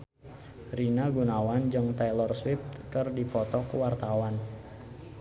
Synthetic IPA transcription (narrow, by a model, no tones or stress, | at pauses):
rinaɡunawand͡ʒɨŋt̪ajlɔrswift̪kərdipɔt̪ɔkwart̪awan